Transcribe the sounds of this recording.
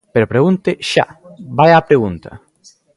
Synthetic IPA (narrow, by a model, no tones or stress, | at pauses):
peɾopɾeɣunt̪ɪʃa̰bajapɾeɣunt̪ɐ̰